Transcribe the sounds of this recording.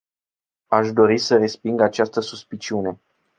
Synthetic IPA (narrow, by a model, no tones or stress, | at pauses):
aʃd̪o̞ɾisəre̞spiŋɡat͡ʃast̪əsuspit͡ʃiune̞